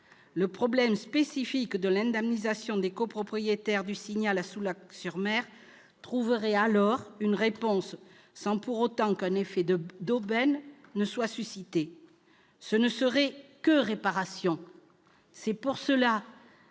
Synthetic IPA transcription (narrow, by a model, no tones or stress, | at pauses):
ləpχɔblɛmspesifikd̪əlɛ̃d̪ɛmnizasjɔ̃d̪ekopχɔpχijet̪ɛʁd̪ysiɲalasulaksyʁmɛʁ | t̪χuvəʁɛalɔʁynʁepɔ̃sː | ɑ̃puʁot̪ɑ̃kɛ̃nefɛd̪d̪obɛnːəswasysit̪e | sənəsəʁɛkəʁepaʁasjɔ̃ | sɛpuʁsəla